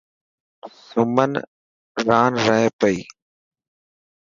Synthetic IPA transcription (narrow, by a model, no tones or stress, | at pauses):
sʊmən | ɾaːnɾəɦepəiː